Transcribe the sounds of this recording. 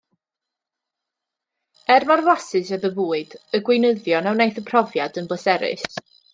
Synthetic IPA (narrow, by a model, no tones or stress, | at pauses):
ɛrmarvasɨsaðəbuːɨdəɡwɪnəðjɔnawnejθəpʰr̥ɔvjadənbəsɛɾɪ̰s